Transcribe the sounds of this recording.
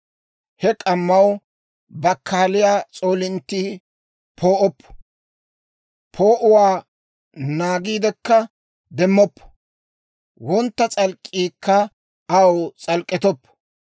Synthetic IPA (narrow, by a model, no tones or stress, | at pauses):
hɛkʼɐmːɐw | bɐkʰːaːlɪjaːt͡sʼo̞ːlɪnt̪ːi | pʰo̞ːʔɔpːɐ̥ | pʰoːʔʊwaː | naːɡiːd̪ɛkːɐ | d̪ɛmːɔpːɐ̥ | wɔnt̪ːɐt͡sʼɐlkʼːiːkːɐ | ɐwt͡sʼɐlkʼːɪt̪ɔpːɔ̥